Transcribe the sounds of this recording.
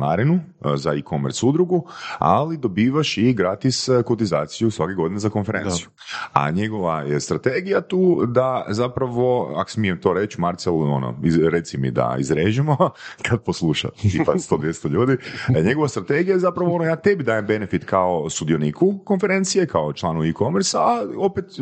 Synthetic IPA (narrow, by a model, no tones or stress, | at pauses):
na̰ɾinu | zaikomeɾt̪sud̪ɾuɡua̰lid̪o̞biːʋaʃiɡɾat̪iskot̪izaːt̪sijusʋakeɡo̞d̪inezako̞nfeɾensiju | a̰ɲeɡoʋajest̪ɾat̪eɡijat̪uːd̪azapɾaʋo̞a̰ksmijemt̪o̞ɾet͡ʃmaɾt̪selo̰no̰iɾe̞t̪simḭd̪a̰ḭzɾeːʒimokʰad̪̚poslˠuʃa̰ipast̪od̪ʋjest̪oʎuːd̪iɲeɡo̞ʋast̪ɾat̪eɡijajezapɾaʋoonojaːt̪e̞bid̪aːjembe̞nefit̪kaost̪ud̪ijonikʰukonfe̞ɾe̞nt̪sije̞kaot͡ʃlˠaːnoikomeɾsaao̞pet̪